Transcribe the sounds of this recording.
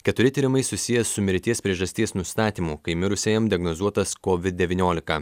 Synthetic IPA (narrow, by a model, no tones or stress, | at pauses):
kʲɛt̪ʊɾʲɪt̪ʲiːɾʲɪmɐɪsʊsʲɪjɛsʊmʲɪɾʲt̪ʲiɛspʲɾʲiɛʒɐsʲt̪ʲiɛsnʊst̪ɑːt̪ʲiːmʊkɐɪmʲɪɾʊsʲeːjɛmd̪ʲɪɐɡnɔzuɔt̪ɐskoːʋʲɪd̪̚d̪ʲɛʋʲinʲoːlʲɪkɐ